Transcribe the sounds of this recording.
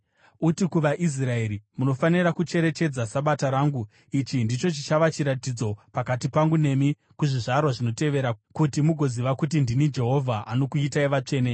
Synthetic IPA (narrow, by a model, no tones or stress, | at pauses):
utikuʋaʔis̬rae̞ɾimuno̞fanirakut͡ʃe̞ɾe̞t͡ʃe̞d͡zasaɓataɾaŋɡu | it͡ʃindit͡ʃo̞t͡ʃit͡ʃaʋat͡ʃiɾatid͡zo̞pakatipaŋɡune̞mi | kuʐiʐarwaʐino̞te̞ʋe̞ɾakutimuɡʱo̞ziʋakut̬indinid͡ʒe̞ɦo̞vʱaʔano̞kuitaiʋat͡ʂe̞ːne